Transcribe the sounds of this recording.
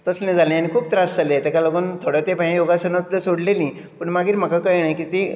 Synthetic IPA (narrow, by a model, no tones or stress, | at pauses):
t̪əslẽd͡zalẽjanikʰuːp̚t̪ɾasd͡zalet̪ekaləɡont̪ʰoɽat̪epãjoɡasənəəsoɽleliː | pəɳmaɡiːɾm̤akakəjɳajkit̪i